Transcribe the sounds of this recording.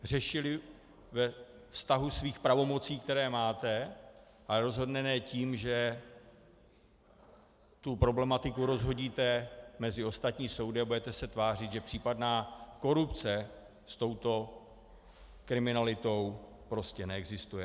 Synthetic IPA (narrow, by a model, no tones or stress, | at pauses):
r̝ɛʃɪlɪ | vɛ | fst̪aɦusviːxpɾavo̞mo̞t͡siːkt̪ɛɾɛːmaːt̪ɛ | ʔalɛɾo̞zɦo̞dnɛnɛːciːmʒɛ | t̪upɾo̞blɛmat̪ɪkuɾo̞zɦo̞ɟiːt̪ɛmɛzɪo̞st̪at̪ɲiːso̞wdɪabudɛt̪ɛsɛt̪vaːr̝ɪt̪ʒɛpr̝̥iːpadnaːko̞ɾupt͡sɛ | st̪o̞wt̪o̞ | kɾɪmɪnalɪt̪o̞w | pɾo̞scɛnɛɛɡzɪst̪ujɛ